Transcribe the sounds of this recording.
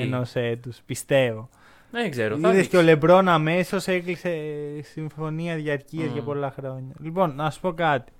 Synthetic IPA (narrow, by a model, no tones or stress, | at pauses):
eno̞set̪uspist̪e̞vo̞ | eɡzeɾoiðesceole̞bɾo̞nɐme̞so̞seklise̞siɱfo̞niɐðʝɐɾciɐzʝɐpo̞lɐxɾo̞ɲɐlipo̞nnɐssu̥po̞kɐt̪i̥